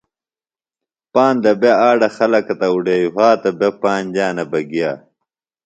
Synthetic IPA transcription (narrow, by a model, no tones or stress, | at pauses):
paːnd̪ɐbeaːɖɐxɐlɐkɐt̪ɐuɖeːjuɦaːt̪ɐbepaːnd͡ʑaːnɐbɐɡijaː